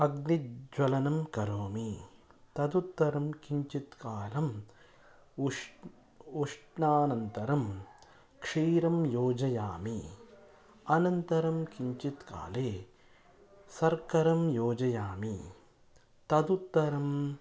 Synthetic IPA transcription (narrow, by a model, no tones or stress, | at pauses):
ɐɡnid͡ʒwɐlɐnɐmkɐɾoːmit̪ɐd̪ut̪ːɐɾɐmkiɲt͡ʃit̪kaːlɐm | uʂʈnaːnɐnt̪ɐɾɐm | kʂiːɾɐmjoːd͡ʒɐjaːmi | ɐnɐnt̪ɐɾɐmkiɲt͡ʃit̪ka̰ːleː | sɐɾkɐɾɐmjoːd͡ʒɐjaːmi | t̪ɐd̪ut̪ːɐɾɐm